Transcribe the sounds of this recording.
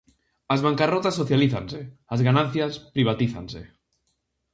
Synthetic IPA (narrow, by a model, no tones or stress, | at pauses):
azβaŋkarot̪asːoθjaliθanseazɣanan̟θjaspɾiβ̞at̪iθa̰nsḛ